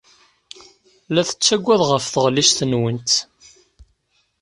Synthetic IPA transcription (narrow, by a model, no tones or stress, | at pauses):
læθə̥t͡sːæɡʷːæðʁəfθəʁliʃθənwənt̪